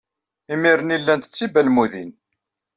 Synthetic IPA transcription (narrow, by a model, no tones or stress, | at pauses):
imiɾənilːænt̪ə̥t͡sːibælmuðin